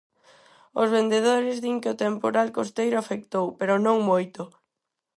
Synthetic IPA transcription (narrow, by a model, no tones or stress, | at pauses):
ozβend̪eð̞oɾɪzðiŋkeot̪empoɾalkost̪ejɾʊafek̚t̪owpeɾʊnõŋmojt̪ʊ